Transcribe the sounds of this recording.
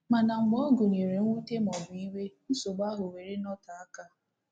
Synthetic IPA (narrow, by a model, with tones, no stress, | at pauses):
ma˨na˨ŋ͡m̩˨m˦o˦ɡu˨n˨e˨ɾe˨ŋ̩˦u˦te˦m̩˨ɔ˨bʊ˨i˦we˦n̩˦so˨ɡ͡ba˦ɦʊ˨we˨ɾe˦nɔ˦ta˨a˦ka˦